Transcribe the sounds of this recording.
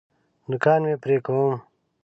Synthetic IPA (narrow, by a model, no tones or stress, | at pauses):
d̪ʊkaːnmeːpɾeːkɐwum